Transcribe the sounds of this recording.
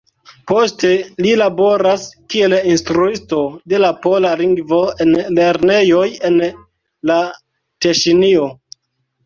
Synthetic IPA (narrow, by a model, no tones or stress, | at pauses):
po̞ste̞lilabo̞ɾaskie̞linstɾuisto̞de̞lapolaliŋɡvo̞enle̞ɾne̞jo̞je̞n | la | teʃinio̞